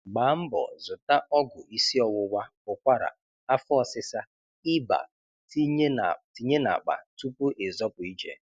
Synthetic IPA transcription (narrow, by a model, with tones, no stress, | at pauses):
ɡ͡ba˨˦m̩˦bɔ̰˨zʊ˨ta˦ʔɔ˦ɡʊ˨ʔi˦si˦ɔ˨wʊ˦wa˦ʊ˨kʷa˦ɾa̰˨ | a˦fɔ˦˨sɪ˦sa˦ | ɪ˦ba̰˨ | ti˦˨ti˨ɲe˦na̰˨k͡pa̰˨tu˦pʊ˦ʔe˨zɔ˦pʊ˨i˦d͡ʒḛ˨